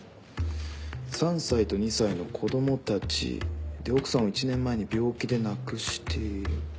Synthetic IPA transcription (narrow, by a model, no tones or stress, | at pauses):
sãɰ̃sait̪o̞ɲ̟isaino̞kʰo̞d̪o̞mo̞t̪at͡ɕḭd̪e̞o̞kɯ̟̥sãɰ̃oit͡ɕinẽ̞mːae̞ɲ̟ibʲo̞ːkʲid̪e̞nakɯ̟ɕi̥t̪ʰe̞iɾɯ̟